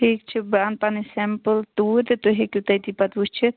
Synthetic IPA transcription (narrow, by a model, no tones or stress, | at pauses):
ʈʰikt͡ʃʰibanpanisɛmpəlt̪uɾt̪t̪oɦekit̪ɐjt̪ipɐt̪bust͡ʃʰi